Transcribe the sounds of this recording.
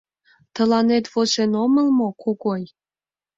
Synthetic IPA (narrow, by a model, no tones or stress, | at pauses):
t̪ə̆lɑnet̪βot͡ɕenomə̆lmokoɣoj